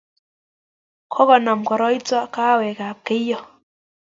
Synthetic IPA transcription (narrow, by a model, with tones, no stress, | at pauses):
kʰɔ˦kɔ˨na˨mkɔ˨ɾɔ˦i˦t͡sɔ˦ka˦˨wɛ˨ka˨p̚kɪ˦jɔ˦